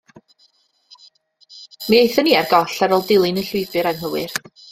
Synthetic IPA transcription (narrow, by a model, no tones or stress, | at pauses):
miejθəniːarɡɔɬaɾɔlˠdɪlˠɪnəɬʊjvɨɾanɦəwɨr